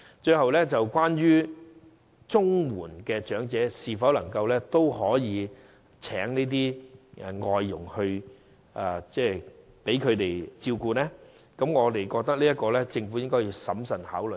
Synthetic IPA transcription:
t͡ʃɵ˧ɥɦɐ˨wlɛː˥t͡sɐ˨wkʷaː˥njyː˥ | t͡sʊ˥ŋwuː˨˩nkɛː˧t͡ʃœː˨˥ŋt͡sɛː˨˥siː˨fɐ˨˥wlɐ˨˩ŋkɐ˧wlɛː˥t̪o˥whɔː˨˥jiː˨˧ | t͡sʰɛ̰ː˨˥ŋniː˥t̪̬iː˥ʔŋɔː˧jːʊ̰˨˩ŋhɵ˧ɥ | ʔa˨t͡sɛː˥˩ | pe˨˥jkʰɵ˨˧ɥt̪e˨jt͡siː˧wkuː˧nɛː˥ | kɐ˨˧˥mŋɔː˨˧t̪e˨jkɔː˧k̚t̪ɐ˥k̚liː˥ɐ˥t̚kɔː˧lɛː˥t͡sɪ˧ŋfu˨˥jɪ˥ŋkɔː˥jiː˧wsɐ̰˨˥msɐ˨˩nha̰ː˨˥wlɵ˨˩

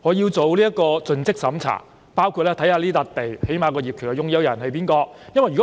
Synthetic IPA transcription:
ŋɔː˨˧jiː˧wt͡so˨wliː˥ɐ˥kɔː˧t͡sɵ˧nt͡sɪ˥k̚sɐ˨˥mt͡sʰa̰ː˨˩ | paː˥wkʰuː˧t̚lɛː˥t̪ʰɐ˨˥jhaː˧liː˥t̪a˨˧k̚t̪e˨jhe˨˥jmaː˨˧kɔː˧jiː˨p̚kʰyː˨˩kːɐ˧jʊ˧ŋjɐ˥wjɐ̰˨˩nhɐ˨˧jp̬iː˥nkɔː˧jɐ˥nwɐ˨jkːɔ˦

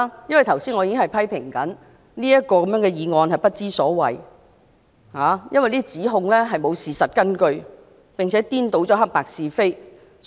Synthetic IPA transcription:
jɐ˥nwɐ˨jt̪ʰɐ˨˩wsiː˥nŋɔ˨˧i˧kɪ˥ŋhɐ˨jpʰɐ˥jpʰɪ˨˩ŋkɐ˨˥n | niː˥jɐ˥t̚kɔː˧kɐ˨˦mjœ˨˥ŋkɛː˧jiː˨˧ŋɔː˧nhɐ˨jpɐ˥t̚t͡siː˥sɔː˨˥wɐ̰˨j | haː˨˦jɐ˥nwɐ˨jniː˥t͡siː˨˥ɦʊ˧ŋlɛː˥ɦɐ˨jmo˨˧wsiː˨sɐ˨t̚kɐ˥nkɵ˧ɥ | pɪ˨ŋt͡sʰɛː˨˦˥t̪iː˥nt̪o˨˥wt͡sɔː˨˥ɦɐ˥k̚paː˨k̚siː˨˧fe˥j

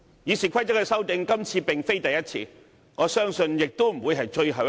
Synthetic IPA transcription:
jiː˨˧siː˨˩kʷʰɐ˥jt͡sɐ˥k̚ːɛ˧sɐ˥wt̪ɪ˨˧ŋkɐ˥mt͡sʰiː˧pɪ˨ŋfe˥jt̪ɐ˨jɐ˥t̚t͡sʰḭː˧ | ŋɔː˨˧sœː˥ŋsɵ˧njɪ˨k̚t̪o˥m̩˨˩wuː˨˧jɦɐ˨jt͡ʃɵ˧ɥɦɐ˨˧w

